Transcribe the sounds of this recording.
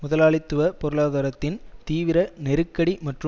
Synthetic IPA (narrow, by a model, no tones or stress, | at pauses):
mʊðɐlaːɭɪt̪ːɯʋɐpɔɾɯɭaːðaːɾɐt̪ːɪnt̪iːʋɪɾɐnɛɾɯkːɐɽimɐʈrɯ